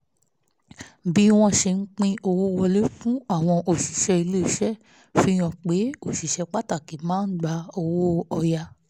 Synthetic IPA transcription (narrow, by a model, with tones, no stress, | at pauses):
bi˦w̃ɔ̃˧ʃe˧n̩˦k͡pĩ˦o˧wo˦˧wɔ˧le˦fũ˦a˦˨w̃ɔ̃˧ʔo˨ʃi˨ʃɛ˧i˧lo˦i˦˨ʃɛ˦ | fi˦j̃ɔ̃˧˨k͡pe˨˦o˦˨ʃi˨ʃɛ˧k͡pa˦ta˦˨ki˨˦mãː˦n̩˦ɡ͡ba˧o˧wo˦ɔ˧ja˧